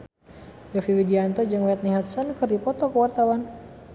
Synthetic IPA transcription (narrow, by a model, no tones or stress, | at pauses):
jɔfiwidiant̪ɔd͡ʒaŋwɛt̪̚niɦat̪sɔnkɨrdipɔt̪ɔkəwart̪awan